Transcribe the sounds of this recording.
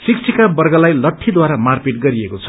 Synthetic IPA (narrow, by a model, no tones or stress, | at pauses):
sik̚t͡sʰikabʌrɡʌlajlʌʈʰːid̪waɾamarpeʈɡʌɾiekot͡sʰʌ̥